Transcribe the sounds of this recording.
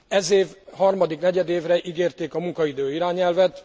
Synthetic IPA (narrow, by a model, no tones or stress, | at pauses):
ɛzeːvhɒrmɒd̪iknɛɟɛd̪eːvrɛʔiɡeːrt̪eːkɒmuŋkɒid̪øːiɾaːɲɛlvɛt̪